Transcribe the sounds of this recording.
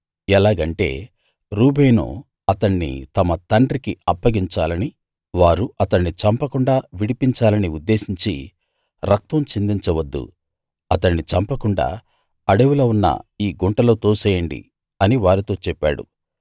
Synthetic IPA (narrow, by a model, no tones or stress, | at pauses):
ɛlaːɡɐɳʈe̞̰ː | ɾuːbejnṵ | ɐt̪ɐɳːḭt̪ɐmɐt̪ɐɳɖrɾikiɐpːɐɡiɲt͡ʃaːlɐni | ʋaːɾuɐt̪ɐɳːit͡ʃɐmpɐkuɳɖaːʋiɽipiɲt͡ʃaːlɐniud̪ːe̞ːsiɲt͡ʃi | ɾɐk̚t̪ɐmt͡ʃind̪iɲt͡ʃɐʋɐd̪ːṵ | ɐt̪ɐnːit͡ʃɐmpɐkuɳɖa̰ː | ɐɽeʋuloːunːɐ̰iːɡuɳʈɐlo̞ːt̪oːsɐːjɐɳɖḭ | ɐniʋaːɾit̪o̞ːt͡ʃɛpːa̰ːɽṵ